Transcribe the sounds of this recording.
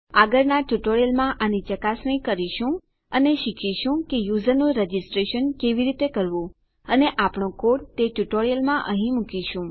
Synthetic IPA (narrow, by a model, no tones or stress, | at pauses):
aɡəɾnaʈuʈoɾjəlmãʔanit͡ʃəkasɳə̃ĩkəɾiʃũ | əneʃikʰiʃũkejuzəɾnũɾed͡ʒisʈɾeʃənkeʋiɾit̪ekəɾʋũ | əneʔapɳõkoɽt̪eʈuʈoɾijəlmãʔə̃ɦĩmukiʃũ